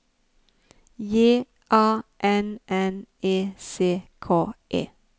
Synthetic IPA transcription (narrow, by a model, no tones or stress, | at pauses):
jeː | ʔɑːʔɛnɛneːseːkʰoːʔḛː